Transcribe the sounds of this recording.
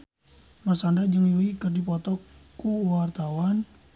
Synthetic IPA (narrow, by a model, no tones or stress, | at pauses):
mərsandad͡ʒəŋjuikərdipɔt̪ɔkuwart̪awan